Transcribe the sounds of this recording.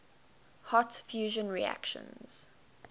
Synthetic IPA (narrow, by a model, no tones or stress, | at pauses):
hɔtfjuːʒə̃nɹia̰kʃə̰̃nz̥